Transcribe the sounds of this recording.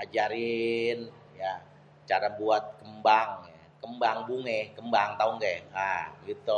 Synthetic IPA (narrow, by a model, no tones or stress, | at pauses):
ad͡ʒaɾɪn | ja | t͡ʃaɾabuat̪̚kəmbaŋa | kəmbaŋbuŋɛhkəmbaŋt̪aʊŋɡaaɡit̪u